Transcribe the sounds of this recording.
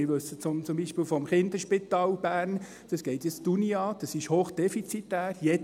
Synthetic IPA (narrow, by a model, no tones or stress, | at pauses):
ɪɾʋɵsət͡sʊmt͡sʊmbiːʃpiːlfɔmχɪnd̪əʃpit̪ɑːlb̥æːɾn | d̥ɑsɡ̥ɛɪt̪jɛt͡stuniɑːd̪̥ɑsɪʃhoːχd̥ɛfit͡sit̪ːæːrjɛ